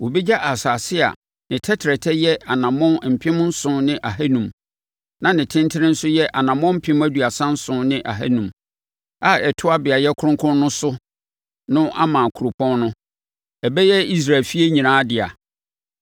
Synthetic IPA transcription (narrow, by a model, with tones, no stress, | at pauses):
wo˨bi˦d͡ʑa˦ʔa˨saː˨sɪ˦a̰˨ | nɪ̃˨tʰɛ˦tʰɾɛ˨tʰɛ˦jɛ˦a˨nã˨mʊ̃˦˨m̩˨pʰɪ̃˦mʊ̃˦n̩˦sʊ̃˦nɪ̃˦ʔa˨ɦæ˦nũ˨m | nã˨nɪ̃˨tʰɪ̃˦ntʰɪ˦ɾɪ̃˦n̩˦sʊ˦jɛ˦ʔa˨nã˨mɔ̃˦m̩˦pʰɪ̃˦m˦æ˦du˨a˨sã˦n̩˦sʊ̃˦nɪ̃˦ʔa̰˨ɦæ̰˦nũ˨m | a˦ɛ˨tʰʊ˦a˦bɪ˨a˨jɛ˦kʰʊ˦ʊ̃˦kʰʊ̃˦nː˦ʊ̃˦sʊ˦ | nʊ̃˦ʔa̰˦mã˨kʰu˨ɾu˨pʰɔ̃˦nnʊ̃˦ | ɛ˨bɛ˦jɛ˦i˦s̬ɾa˨lfi˦e˦ɲĩ˨nãː˦dɪ˨a̰˨